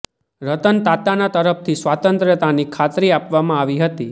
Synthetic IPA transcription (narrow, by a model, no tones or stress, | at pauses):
ɾət̪ənt̪at̪anat̪əɾəp̚t̪ʰisʋat̪ənt̪ɾət̪anikʰat̪ɾiapʋamãaʋiɦət̪i